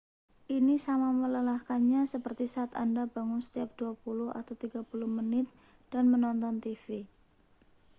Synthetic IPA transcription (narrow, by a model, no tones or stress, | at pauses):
ʔinisamamələlahkanɲasəpərt̪isat̪a̰ndabaŋʊnsə̥t̪iap̚d̥uapulʊha̰t̪awt̪iɡ̥apulʊhmənɪt̪̚ | d̥anmənɔnt̪ɔnt̪ifi